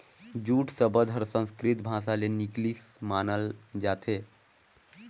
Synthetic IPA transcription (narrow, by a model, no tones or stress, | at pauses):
d͡ʒuːʈʰsəbəd͡ʒʱɦəɾsə̃ñskɾit̪bʱãsaleniklismaːnəld͡ʒat̪ʰe